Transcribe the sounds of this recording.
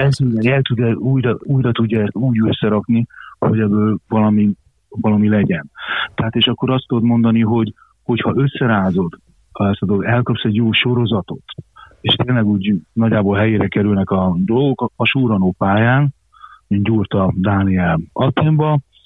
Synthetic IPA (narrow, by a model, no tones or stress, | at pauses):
ɛlt̪udɛɛlt̪ud̪ɛuːjɾɒuːjɾɒt̪uɟːɒɛst̪uːɟøsːɛɾɒkniho̞̰ɟɛbːøːlvɒlɒmi | vɒlɒmilɛɟɛnt̪ɛɦaːt̪eːʃɒkːo̞ɾɒst̪od̪ot̪mo̞nd̪ɒniɦo̞ɟ | ho̞chɒʔø̞sːɛɾaːzo̞d̪ | ɛst̪ɒd̪oɡoɡɛlkɒpsɛɟjoːʃo̞ɾo̞zɒt̪o̞t̪eːʃt̪eːnlɛɡuːɟnɒɟːaːbolɦɛjeːɾɛkɛɾylnɛkɒd̪o̞lɡo̞kɒʃuːɾɒnopaːjaːn | inɟurt̪ɒd̪aːniɛlɒt̪ːeːɱbɒ